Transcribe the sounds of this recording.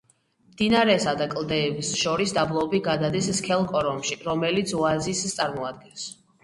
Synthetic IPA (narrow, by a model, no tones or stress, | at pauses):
md̪inaɾɛsad̪akʼlˠd̪ɛːbisʃɔɾisd̪ablˠɔbiɡad̪ad̪isskʰɛlˠkʼɔɾɔmʃiɾɔmɛlit̪sʰɔazist̪sʼaɾmɔad̪̚ɡɛns